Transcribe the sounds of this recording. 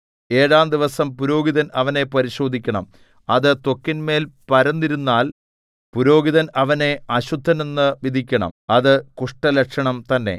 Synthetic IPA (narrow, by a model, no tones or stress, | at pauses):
e̞ːɻaːnd̪iʋɐsɐmpuɾo̞ːɡiðɐnɐʋɐne̞pɐɾiɕo̞ːd̪ʱikʲːɐɳɐm | ɐðɨt̪o̞kːinme̞ːlpɐɾɐnːiɾunːaːl | puɾo̞ːɡiðɐnɐʋɐne̞ɐɕud̪ʱːɐnenːɨʋid̪ʱikʲːɐɳɐ̰mɐðɨkuʂʈɐlɐkʂɐɳɐmt̪ɐnːe̞̰